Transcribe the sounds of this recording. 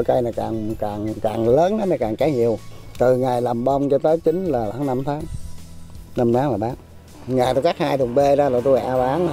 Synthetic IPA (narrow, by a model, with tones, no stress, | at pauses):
jka˧jnaː˨˩ka̰ː˨˩ŋkaː˨˩ŋkaː˨˩ŋləː˨˦nːa˨˦naː˨˩kaː˨˩ŋkaː˨˦ɲi˨˩əwt̪ɨ˨˩ŋaː˨˩jlaː˨˩mɓə˧wŋ͡mt͡ɕɔ˧t̪əː˨˦jt͡ɕï˨˦ŋ̟laː˨˩ɓaː˨˦ŋna˧mt̪ʰaː˨˦ŋ | na˧mt̪ʰaː˨˦ŋlaː˨˩ɓaː˨˦ŋ | ŋa˨˩jt̪o˧kaː˦˥k̚haː˧jt̪ʰwəŋɓe˧zaː˧zoː˨˩t̪u˧laː˨˩ʔaː˧wʔaː˨˦n˧